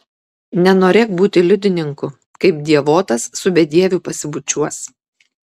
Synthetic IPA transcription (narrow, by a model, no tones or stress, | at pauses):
nʲɛnoːɾʲeːkbuːt̪ʲɪlʲʊd̪ʲɪnʲɪŋkʊ | kɐɪp̚d̪ʲiɛʋoːt̪ɐsːʊbʲɛd̪ʲiɛʋʲʊpɐsʲɪbʊt͡ʃʲuɔs